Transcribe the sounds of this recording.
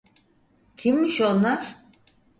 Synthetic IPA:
cʰimːiʃonlaɾ̥

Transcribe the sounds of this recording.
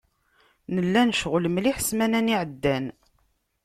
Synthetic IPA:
nəlːænʃʁləmliħəsmænæniʕəd̪ːæn

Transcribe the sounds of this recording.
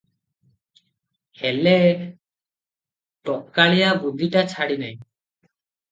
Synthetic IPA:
hɛlɛ | ʈɔp̚kaɭɛjabud̪ʱiʈat͡ʃʰaɽinaj

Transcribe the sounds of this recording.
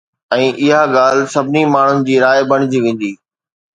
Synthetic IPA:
ɛ̃ːʔɪɦaɠaːl̤ɪsɐbʱɪnimaːɳ̤ʊnɪ̆d͡ʑiːɾaːɪbɐɽ̃ɪd͡ʑiʋẽːn̆d̪iː

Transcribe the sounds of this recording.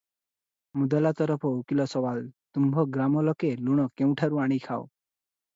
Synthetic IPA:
mud̪alat̪ɔɾɔpʰɔukilɔsɔwalt̪umbʱɔɡɾamɔlɔkeluɽ̃ɔkeũʈʰaɾuaɽ̃ikʰao̰

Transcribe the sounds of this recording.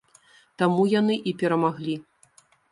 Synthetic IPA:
t̪amujanɨʔipʲɛɾɐmaɣlʲi

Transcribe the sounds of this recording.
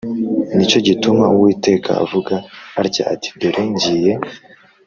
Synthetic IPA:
nit͡ʃo̞ɟitumawiːte̞ːka̰a̰vuɡaːɾca̰ati̥ɡeɾʔeɲɟije

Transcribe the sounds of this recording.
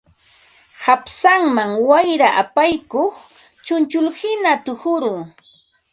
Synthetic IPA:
hapsaŋmaŋwajɾaʔapajkoχ | t͡ʃʊnt͡ʃʊlhɪnat̪ʊhʊɾʊ

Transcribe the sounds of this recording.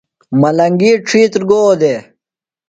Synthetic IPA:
mɐlɐŋɡiʈ͡ʂʰiːt̪ɾɡoːd̪e

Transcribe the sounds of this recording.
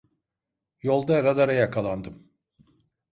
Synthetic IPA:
jolˠd̪aaɾad̪aɾajakʰalˠand̪ɯm

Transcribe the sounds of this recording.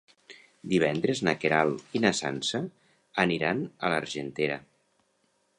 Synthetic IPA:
d̪iβɛnd̪ɾeznəkeɾalinəsa̰nsəː | niɾanələɾʒent̪eɾə̰

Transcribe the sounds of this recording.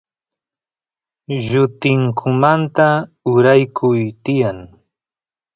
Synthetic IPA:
ʎʊt̪ɪŋkʰʊmant̪aʊɾajkʰʊjt̪ɪjaŋ

